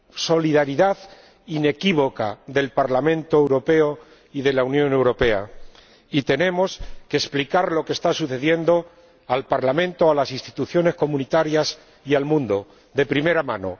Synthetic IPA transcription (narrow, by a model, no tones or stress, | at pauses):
so̞liðaɾiðað | ine̞kiβ̞o̞ka̰ðe̞lpaɾlamẽ̞nt̪oewɾo̞pe̞o | iðe̞launjõ̞ne̞wɾo̞pe̞a | it̪e̞nẽ̞mo̞ske̞ːsplikaɾlo̞kest̪asuθe̞ðje̞nd̪o̞ | alpaɾlamẽ̞nt̪oalasinst̪i̥t̪uθjo̞ne̞sko̞mũnit̪aɾjas | ialmũnd̪o̞ | ðe̞pɾime̞ɾamãno̞̰